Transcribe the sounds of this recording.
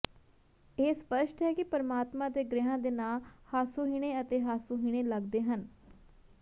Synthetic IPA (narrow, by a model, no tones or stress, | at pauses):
eːspəʃʈɦɛːkɪpəɾəmaːt̪mãːd̪eːɡɾɪɦãːd̪eːnaːlhaːsoːɦiːɽ̃eːət̪eːɦaːsoːɦiːɽ̃eːləɡd̪eːɦən